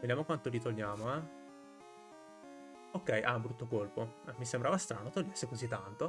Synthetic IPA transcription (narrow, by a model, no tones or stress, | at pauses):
ved̪jamokwant̪olit̪olɲjaːmoɛ | okːɛjʔa̰mbɾut̪ːokolpoɛmːisembɾavast̪ɾa̰not̪oljasekozit̪ːant̪o